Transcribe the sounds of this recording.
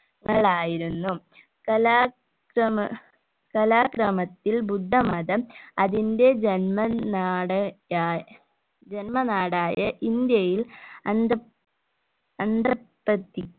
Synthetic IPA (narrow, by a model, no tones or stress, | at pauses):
ŋːɐɭaːjiɾunːu | kɐlaː | kɾɐm | kɐlaːkɾɐmɐt̪ːilbud̪ʱːɐmɐðɐɐðinde̞d͡ʑenmɐaːɽɐaː | d͡ʑenmɐnaːɽaːjɐʔind̪jɐjilɐnd̪ | ɐnd̪ɐbɐt̪ːi